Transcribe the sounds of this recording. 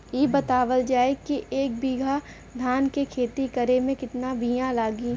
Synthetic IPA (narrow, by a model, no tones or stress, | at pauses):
jeːbɐt̪aːʋəld͡ʒaːekiʔeːk̚biːɡʱa | d̪ʱaːnkekʰeːt̪ikɐɾemẽkɪt̪nabiːjãlaːɡi